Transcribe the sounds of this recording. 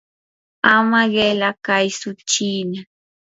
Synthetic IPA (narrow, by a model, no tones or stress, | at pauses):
amaɢelakajsʊt͡ʃiːna